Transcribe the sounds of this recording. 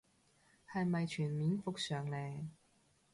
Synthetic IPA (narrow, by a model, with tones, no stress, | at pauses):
hɐ˨jmɐ˨jt͡ʃʰyː˨˩nmiː˨˥nfʊ˨k̚sœː˨ŋlɛː˨˩